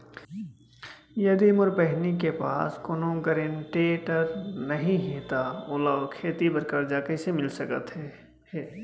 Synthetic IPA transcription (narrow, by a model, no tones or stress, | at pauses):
jɐd̪imʊɾpɛɦnikepa̰ːskʊnõɡəɾeɳʈeːʈəɾnɐɦĩɦẽːt̪aʊlakʰeːt̪ibəɾkaːɾd͡ʒaːkesemɪlsəkə̰t̪ɦɛː